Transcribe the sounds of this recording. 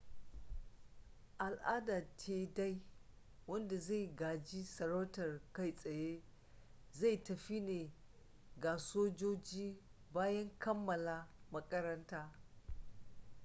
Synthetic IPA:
ʔa˨lʔaː˦da˨tʰeː˨da˦j | wɐ˦nda˨za˦˨jɡaː˨d͡ʒi˦sɐ˨ɾɐ˦wtɐ˨rka˦jsʼɐ˨je˦ | za˦˨jtɐ˨ɸi˦neː˨ | ɡa˨soː˦d͡ʒoː˦d͡ʒiː˦ | baː˦jɐ˦ŋkʰɐ˦mːɐ˨la˨mɐ˦kʼɐ˦ɾɐ˦ntaː˦

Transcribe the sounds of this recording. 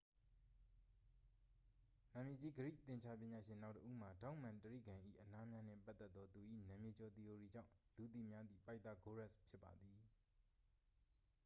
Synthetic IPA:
nã˨mje˨d͡ʑi˦˨ɡəɾḭ˦˨t̪ɪ̃˨ɲt͡ɕʰa˦pjɪ̃˨ɲa˨ʃɪ̃˨nã˦ʊtə˦ʔṵ˦˨m̥a˨tã˦ʊ̃mã˨ntəɹḭ˦˨ɡã˨ʔḭ˦˨ʔəna˦mja˦n̥ɪ̰̃˦˨pa˦t̪ːɛ˦t̪̚ːɔ˦t̪u˨ʔḭ˦˨nã˨mje˨t͡ɕɔ˨t̪i˨ʔo˨ɹi˨d͡ʑã̰˦˨ʊ̃lu˨t̪̬ḭ˨mja˦d̪ðḭ˦˨pa˦ɪʔt̪ːa̰˦˨ɡo˦ɹɛ˦˨spʰjɪ˦pːa̰˨d̪ði˨

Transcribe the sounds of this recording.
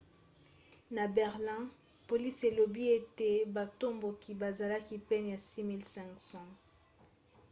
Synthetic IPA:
na˨bɛ˨ʁlɛ̃˦ | po˨li˦se˨lo˨bi˦e˦te˨ba˨to˦mbo˨ki˨ba˨za˨la˦ki˦pɛ˦n˨ja˨si˦mi˦lsɛ̃˨ŋksɔ̃˨

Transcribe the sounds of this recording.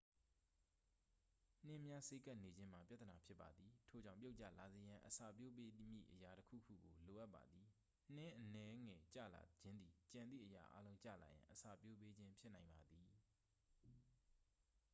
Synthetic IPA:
n̥ɪ̃˦˨mja˦se˦ka˦˨ne˨d͡ʑɪ̃˦m̥a˨pja˦t̪əna˨pʰjɪ˦pːa˨d̪i˨tʰo˨d͡ʑã˦˨pjʊʔt͡ɕa̰˦˨la˨ze˨jã˨ʔəsa̰˦˨pjo˦˨pe˦mjḭ˦˨ʔəja˨təkʰṵ˦˨kʰṵ˦˨ɡo˨lo˨ʔa˦pːa̰˨d̪ði˨ | n̥ɪ̃˦ʔənɛ˦ŋɛ˨t͡ɕä̰˦˨la̰˨d͡ʑɪ̃˦nd̪ði˨t͡ɕã˨nd̪ðḭ˦˨ʔəja̰˨ʔa̰˦lõ˦ʊ̃t͡ɕä̰˦˨la̰˨jã̰˨ʔəsa̰˨pjo˦pe˦d͡ʑɪ̃˦mpʰjɪ˦ʔnã˨ɪ̃mba˨d̪ði˨

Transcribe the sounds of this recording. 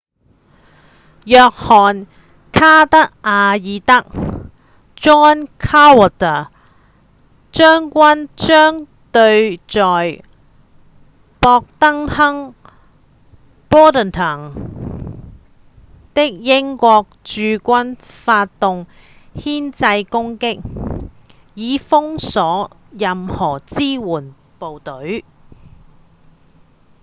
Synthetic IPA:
jœː˧k̚hɔː˨˩n | kʰaː˥t̪ɐ˥k̚ʔaː˧jiː˨˧t̪ɐ˥k̚ | t͡ʃɔː˥nkʰaː˥wɔ˨˩t̪ə˨˩ | t͡ʃœː˥ŋkʷɐ˥nt͡ʃœː˥ŋ | t̪ɵ˧ɥt͡sɔː˨j | pɔː˧k̚t̪ɐ˥ŋhɐ˥ŋ | pɔː˥t̪ə˨nt̪ʰɐː˨˩ŋ | t̪ɪ˥k̚jɪ˥ŋkʷɔː˧k̚t͡ʃyː˧kʷɐ˥nfaː˧t̚t̪ːʊ˨ŋ | hiː˥nt͡sɐ˧jkʊ˥ŋkɪ˥k̚ | jiː˨˧fʊ˥ŋsɔː˨˥ | jɐ˨mhɔː˨˩t͡siː˥wuː˨˩n | po˨wt̪ɵ˨˥ɥ

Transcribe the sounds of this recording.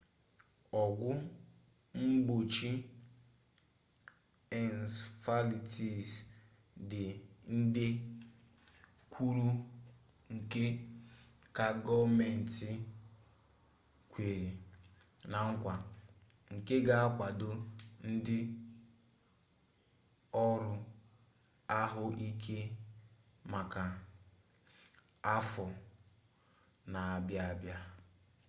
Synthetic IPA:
ɔ˨ɡʷʊ˦ | m̩˦bo˨t͡ʃi˦ | ɛ˨n˨sfa˦li˨ti˨s | dɪ˨n̩˦dɪ˦ | kʷʰu˦ɾu˦ | ŋ̩˨ke˦ | ka˨ɡɔ˦me˨n̩˨ti˨ | kʷe˨ɾi˨ | na˨ŋ̩˦kʷa˨ | ŋ̩˨ke˦ɡa˨a˦kʷa˨do˦n̩˦dɪ˦ | ɔ˦ɾʊ˦ | a˦ɦʊ˦ʔi˦kʰe˦ | ma˨ka˨ | a˦fɔ˨ | na˨a˨bja˦a˨bja˦

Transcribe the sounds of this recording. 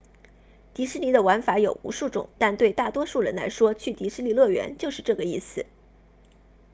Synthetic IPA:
t̪i˧˥ʂɻ̩˥li˧˥d̪ə˧wa˧˥nfa˧˥jo˨˩ʊṵ˧˥ʂu˥˩ʈ͡ʂʊ̰˨˩˦ŋt̪a˥˧nt̪we˥˧ɪt̪a˥˩t̪wɔ˥ʂu˥˩ɻə˧˥nla̰˧˥ɪʂwɔ˥t͡ɕʰy˥˩t̪i˧˥ʂɻ̩˥li˧˥lɤ˥˩ɥɛ̰˧˥nt͡ɕjo˥˧ʊʂɻ̩˥˧ʈ͡ʂɤ˥˩ɡə˩i˥˩sɹ̩˩

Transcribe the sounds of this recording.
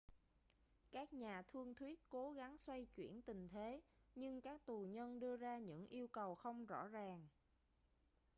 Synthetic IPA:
kaː˦˥k̚ɲaː˨˩t̪ʰɨ˧əŋt̪ʰwi˦˥ət̚ko˨˦ɣa˨˦ŋswa˧jt͡ɕwḭ˧˩ənt̪ï˨˩ŋ̟t̪ʰe˨˦ɲɨ˧ŋkaː˦˥k̚t̪u˨˩ɲə˧nɗɨ˧əzaː˧ɲɨ̰˧˥ŋʔi˧əwkə˨˩wxə˧wŋ͡mzɔ̰˧˥zaː˨˩ŋ

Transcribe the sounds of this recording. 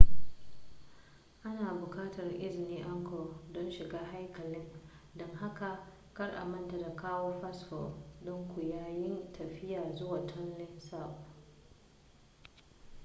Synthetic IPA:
ʔa˦naː˨bʊ˨kaː˦tɐ˨rʔɪ˦zɪ˨niː˦ʔa˦ŋkʰɔ˨dɔ˦nʃɪ˨ɡaː˦ɦa˦jkɐ˨lɪ˦n | dɔ˦ŋɦa˦ka˨ | kɐ˦rʔa̰˨mɐ˦nta˨da˨kaː˦woː˦ɸa˦sfɔ˨dɔ˦ŋkʷu˨jaː˦jɪ˦ntʰɐ˨ɸɪ˦jaː˨zʊ˦waː˨tʰɔ˦nlɪ˦nsa˦˨ɸ

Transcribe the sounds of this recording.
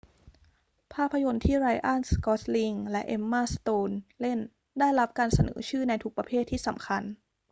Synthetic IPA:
pʰaː˥˩pʰːa˧jo˧nt̪ʰiː˥˩ɾaː˧jʔaː˥˩nskɔː˦˥t̪̚li˧ŋlɛ˦˥ʔe˧mːaː˥˩st̪oː˧nle˥˩n | daː˥˩jɾa˦˥p̚kaː˧nsa˧nɤ̰ː˩˦t͡ɕʰɯː˥˩na˧jt̪ʰu˦˥k̚pɾa˧pʰeː˥˩t̪ʰːiː˥˩sa˩˦mkʰa˧n

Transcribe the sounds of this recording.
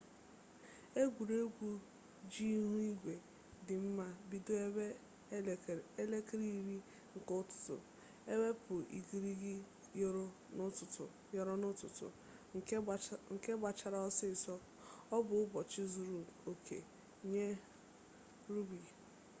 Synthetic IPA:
e˦ɡʷu˨ɾe˦ɡʷu˦ | d͡ʒi˦ɦu˦i˦ɡʷe˨ | dɪ˨m̩˦ma˦bi˨do˦˨ | e˦le˦ke˦ɾi˦i˨˦ɾi˦ | ŋ̩˨kʊ˦tʊ̥˨tʊ̰˨ | e˦be˦pʊ˨ḭ˨ɡi˨ɾi˦ɡɪ˦ | nʊ˦tʊ˨tʊ˨ | jɔ˦ɾɔ˦nʊ˦tʊ˨tʊ̰˨ | ŋ̩˨ke˦ba˨t͡ʃa˨ɾa˦ɔ˦sɪ˦˨sɔ˦ | ɔ˦bʊ˨ʊ˦bɔ˨t͡ʃɪ˦zu˨ɾu˨o˨kʰḛ˨ | ɲe˦ | ɾu˦bi˨

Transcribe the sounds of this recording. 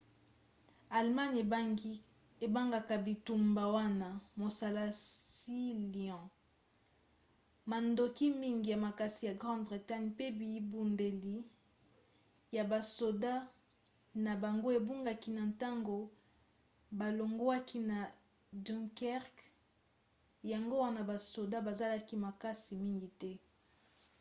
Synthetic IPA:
a˨lma˦n˨ | e˨ba˦ŋɡa˨ka˨bi˨tu˨mba˨wa˦na˨mo˨sa˨la˦si˦li˨ɑ̃˨ | ma˨ndo˨ki˦mi˦ŋɡi˨ja˨ma˨ka˨si˨ja˨ɡʁɑ̃˦dbʁi˨ta˦ɲpe˦bi˨i˦bu˨nde˨li˦ | ja˨ba˨so˨da˦ | na˨ba˨ŋɡo˦e˨bu˦ŋɡa˨ki˦na˨ta˦ŋɡo˦ | ba˨lo˨ŋɡo˦a˦ki˦na˨ | dɔ̃˦ŋkɛ˦ʁk | ja˨ŋɡo˦wa˦na˨ba˨so˨da˦ba˨za˦la˦ki˦ma˨ka˦si˨mi˦ŋɡi˨tɛ˦

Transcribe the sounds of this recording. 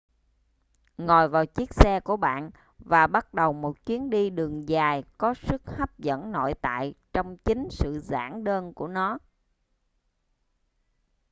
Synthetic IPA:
ŋɔ˨˩jvaː˨˩wt͡ɕi˦˥ək̚sɛ˧ku˧˩əɓa̰ː˧˨n | vaː˨˩ɓa˦˥t̚ɗə˨˩wmo˨˩t̚t͡ɕwi˨˦ənɗi˧ɗɨ˨˩əŋzaː˨˩jkɔ˨˦sɨ˦˥k̚ha˦˥p̚zə̰˧˥nno̰˧˨jt̪a̰ː˧˨jt͡ɕɔ˧wŋ͡mt͡ɕï˨˦ŋ̟sɨ̰˧˨za̰ː˧˩ŋɗəː˧nku˧˩ənɔ˨˦

